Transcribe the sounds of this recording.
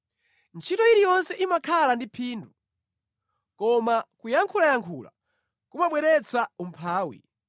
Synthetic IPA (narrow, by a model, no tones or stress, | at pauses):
nt͡ʃʰitɔiɾijɔnsɛʔimakʰalandipʰiːndu | kɔmakujaŋkʰulajaŋkʰuːla̰ | kumaɓwɛɾɛt͡sʰaum̩pʰaːwḭ